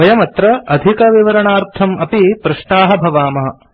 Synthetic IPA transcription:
ɐjɐmɐt̪ɾɐɐd̪ʱikɐʋiʋɐɾɐɳaːɾt̪ʰɐmɐpipɾɐʂʈaːɦɐ̆bʱɐʋaːmɐɦɐ

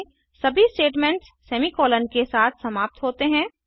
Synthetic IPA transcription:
sɐbʱisʈeːʈmɛ̃ɳʈssɛːmikɔːlənkesaːt̪ʰsɐmaːp̚t̪ɦoːt̪eɦɛ̃ː

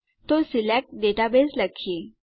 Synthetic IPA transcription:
t̪osilɛk̚ʈ̚ɖeʈabesləkʰːije

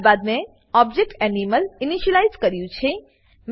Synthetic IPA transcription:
bad̪̚mẽ | ɔb̚d͡ʒek̚ʈɛniməliniʃəlajzkəɾjũt͡ʃʰe | m

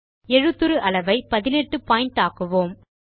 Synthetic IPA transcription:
ɛɻɯt̪ːɯɾɯʔɐlɐʋɐɪpɐðɪnɛʈːɯpaːjɪɳʈaːkɯʋoːm

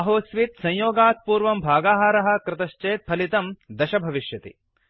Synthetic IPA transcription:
ɐɦoːsʋit̪sɐ̃jjoːɡaːt̪̚puːɾʋɐmbʱaːɡaːɦaːɾɐɦɐ̆kɾɪt̪ɐʃt͡ʃeːt̪̚pʰɐlit̪ɐmd̪ɐʃɐbʱɐʋiʃjɐt̪ḭ

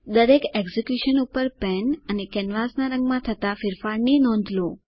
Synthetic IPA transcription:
d̪əɾekɛɡzekjuʃənupəɾpɛnənekɛnʋasnaɾə̃ŋɡmãt̪ʰət̪afɪɾfaɽninɔ̃nd̪ʱlõ

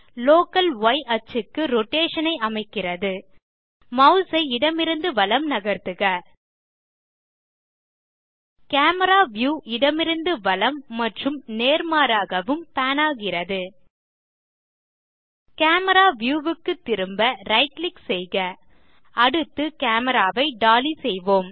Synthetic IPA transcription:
loːkɐlʋɐɪʔɐt͡ʃɯkːɯɾɔʈːeːʂɐnɐɪɐmɐɪkːɪrɐðɯ | mɐʊsɐɪɪɽɐmɪɾɯnd̪ɯʋɐlɐmnɐɣɐɾt̪ɯɣɐ | kaːmɐɾaːʋjuːʔɪɽɐmɪɾɯnd̪ɯʋɐlɐmːɐʈrɯmneːɾmaːɾaːɣɐʋɯmpaːnaːɣɪrɐðɯ | kaːmɐɾaːʋjuːʋɯkːɯt̪ːɪɾɯmbɐɾɐɪʈlɪksɛjɣɐ | ɐɽɯt̪ːɯkaːmɐɾaːʋɐɪɖaːlisɛjʋoːm

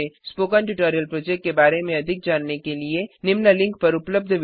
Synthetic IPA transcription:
ẽspoːkəɳʈuʈoːɾijəlpɾoːd͡ʒekʈ̚ːebaːɾemẽɐd̪ʱɪk̚d͡ʒaːnːekelienɪmnalɪ̃ŋk̚pɐɾʊpləb̚d̪ʱʋ

